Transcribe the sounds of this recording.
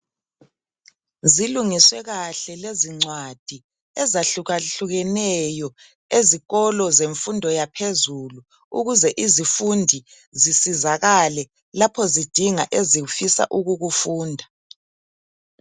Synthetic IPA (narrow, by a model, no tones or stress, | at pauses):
ziluŋiswɛɣaɬɛleziŋ͡ǀwad̥ʱi | ɛzaɬuɣaɬuɣɛnɛjɔ | eziɣɔlɔzeɱfundʱɔjapʰezulu | ṵɣuzɛʔizifundʱi | zisizaɣalɛ | lapʰɔzid̥ʱiŋaʔezifisa̰ʔuɣuɣufuːndʱa